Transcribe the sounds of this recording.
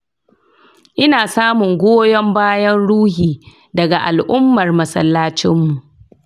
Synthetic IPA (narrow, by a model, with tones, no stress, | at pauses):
ʔɪ˦naː˨saː˦mʊ˨ŋɡʷoː˦jɔ˦mbaː˦jɐ˦nɽuː˦ɦiː˨ | dɐ˨ɡa˨ʔa̰˨lʔʊ˦mːɐ˨rmɐ˦sɐ̰˦lːaː˦t͡ʃɪ˦mːu˨ʔ